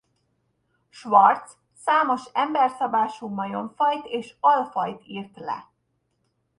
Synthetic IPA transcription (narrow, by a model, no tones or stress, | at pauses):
ʃʋɒrt̪s | saːmo̞ʃɛmbɛrsɒbaːʃuːmɒjo̞ɱfɒjt̪eːʃɒlfɒjt̪iːrt̪lɛ̰